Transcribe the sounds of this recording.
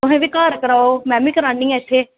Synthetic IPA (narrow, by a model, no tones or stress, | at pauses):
ʊɦẽːʋɪkaːɾkəɾaːoːmɛ̃ːmiːkəɾãːniːɛt̪ʰːeː